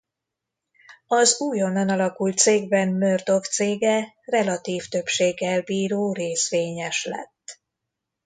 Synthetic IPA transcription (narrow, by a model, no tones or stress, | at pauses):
ɒzuːjo̞nːɒnɒlɒkult̪̚seːɡ̚bɛmmørd̪o̞kt̪seːɡɛ | rɛlɒt̪iːft̪ø̞pʃeːɡːɛlbiːɾoːreːsʋeːɲɛʃlɛ̰t̪ː